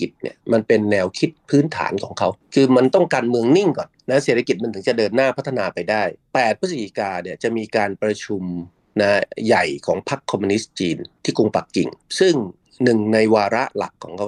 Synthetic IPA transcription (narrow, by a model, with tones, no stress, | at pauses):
ki˨˩t̪̚nḭ˥˩ma˧npe˧nːɛː˧wkʰi˦˥t̪̚pʰɯː˦˥nt̪ʰa̰ː˩˦nkʰɔː˩˦ŋkʰa˦˥wkʰɯː˧ma˧nt̪ɔ˥˩ŋkaː˧nmɯ˧əŋni˥˩ŋkɔ˨˩nna˦˥se˨˩t̪ʰa˧ki˨˩ma˧nt̪ɯ˩˦ŋt͡ɕa˨˩dɤː˧nːaː˥˩pʰa˦˥t̪ʰːa˧naː˧pa˧jdaː˥˩jpɛː˨˩t̪̚pʰɯ˦˥sʰa˧ki˧˩kaː˧ni˥˩t͡ɕa˨˩miː˧kaː˧npɾa˧t͡ɕʰu˧m | na˦˥ja˨˩jkʰɔ̰ː˩˦ŋpʰa˦˥kʰːɔ˧mːu˧ni˦˥st͡ɕiː˧nt̪ʰiː˥˩ku˧ŋpa˨˩kːḭ˨˩ŋsɯ˥˩ŋ | nɯ˨˩ŋna˧jwaː˧ɾa˦˥la̰˨˩kʰːɔː˩˦ŋkʰa˦˥